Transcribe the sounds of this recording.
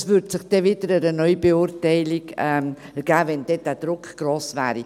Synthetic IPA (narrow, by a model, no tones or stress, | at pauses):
svʏɾdsɪχd̥ɛvid̥əɾəɾənœʏbeʊrtɛɪliɡɛm | ɡ̥æːvɛnd̥ɛd̥æd̥ɾʊkɡ̥roːsvæːɾi